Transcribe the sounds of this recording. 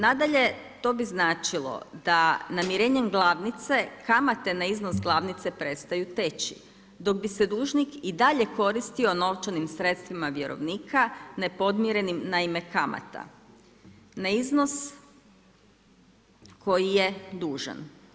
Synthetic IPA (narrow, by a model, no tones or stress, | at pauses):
nad̪aʎe̞ | t̪o̞biznaːt͡ʃilˠo̞̰d̪anamiɾe̞ːɲemɡlˠaʋnit̪se̞kamat̪e̞naizno̞sɡlˠaʋnit̪se̞pɾe̞t̪st̪ajut̪et͡ɕḭ | d̪o̞ɡ̚bised̪uːʒnikid̪aʎe̞ko̞ɾist̪io̞no̞ʋt͡ʃanimsɾe̞t̪st̪ʋimaʋje̞ɾo̞̰ʋniːkʰanepo̞d̪mjiɾe̞nimnaime̞kama̰t̪a̰ | naizno̞s | kʰo̞jijed̪uːʒa̰n